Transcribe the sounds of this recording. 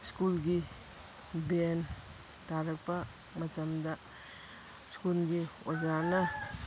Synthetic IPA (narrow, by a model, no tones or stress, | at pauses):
skulɡi | ben | taɾɐk̚pɐ | mɐtɐmdɐ | skulɡiozanɐ